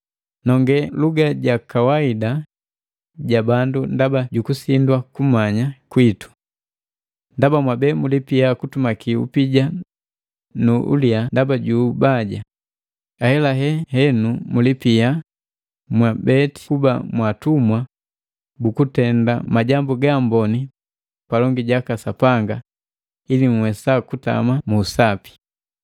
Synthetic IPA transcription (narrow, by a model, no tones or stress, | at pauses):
nɔŋɡɛluɡaɟakawaida | ɟabandundabaɟukusindwakumaɲakwitu̥ | ndabamwabɛmulipijakutumakiṵpiɟa | nuʔṵliandabaɟubaɟa̰ | ahɛlaɦɛhɛnumulipia | mwabɛti̥kubamwatumwa | bukutɛndamaɟambuɡambɔni | palɔŋɡiɟakasapaŋɡa | iliŋ̩wɛsakuta̰mamuːsapi̥